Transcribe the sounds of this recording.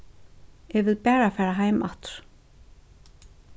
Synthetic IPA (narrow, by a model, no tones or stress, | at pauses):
ɛvɪðpɛːɾafɛːɾaɦaːjmaht̪ʏ̥ɾ̥